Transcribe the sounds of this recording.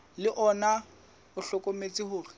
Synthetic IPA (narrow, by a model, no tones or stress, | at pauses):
lɪʔɔna | ʊɬɔkʼomet͡sʼɪɦʊːrɪ